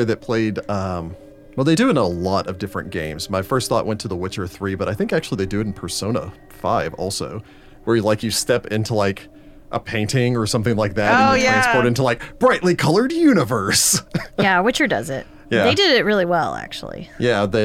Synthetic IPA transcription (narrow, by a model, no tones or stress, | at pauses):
ðɨt̚pʰl̥eɪdʌ̃m | wɛlˠðeɪdɨɨ̃nəlɔɾʌvdɪfɹɨ̰̃nɡ̥ẽɪ̃mz̥maɪfɜ˞stθɔ̰ʔwɛ̃ntʰɨðəwɪt͡ʃə˞θɹibʌɾaɪθɪ̃ŋkæk̚t͡ʃʉl̩ˠiðeɪdɨɨɾn̩pʰə˞sõʊ̃nə̰ | faɪvɔ̰lˠsoʊ | wə˞jɨlaɪkjɨstɛpɪ̃ntʰulaɪk | ʔə̰pʰẽɪ̃ntɪ̃ŋə˞sʌ̃mθɪ̃ŋlaɪk̚ðætojæ̃nspoʊɾɪ̃ntulaɪk̚b̥ɹaɪʔˡlikʰʌlˠə˞djʉnɨvə˞sjæwɪt͡ʃə˞dʌ̰zɪ̰t̚ | jæðeɪdɪɾɪt̚ɹɪlˠiwɛ̰lˠæ̰k̚t͡ʃṵl̩ˠḭjæðɨ